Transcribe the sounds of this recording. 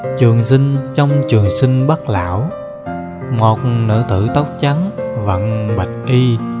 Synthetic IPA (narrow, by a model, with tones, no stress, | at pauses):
t͡ɕɨ˨˩əŋsï˧ŋ̟t͡ɕɔ˧wŋ͡mt͡ɕɨ˨˩əŋsi˧ŋ̟ɓə˦˥t̚la̰ː˧˨w | ŋo˨˩t̚nɨ̰˧˥t̪ɨ̰˧˨t̪ə˦˥wk͡p̚t͡ɕa˨˦nvə̰˧˨nɓə˨˩jk̚ʔi˧